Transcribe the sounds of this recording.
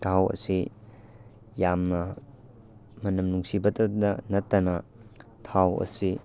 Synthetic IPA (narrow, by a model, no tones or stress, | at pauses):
tʰawɐ̰si | jamnɐ | mɐnɐmnuŋsibɐtɐdɐ̰nɐtːɐnɐ | tʰawɐ̰si